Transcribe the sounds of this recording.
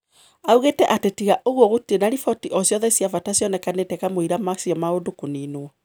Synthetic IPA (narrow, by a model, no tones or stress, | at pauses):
auɣetɛʔatetiɣaʔoɣwɔɣotienaɾifɔtiʔɔsjɔðɛsiavatasjɔnɛkanetɛkamoiɾamasiɔmaodokoniːnwɔ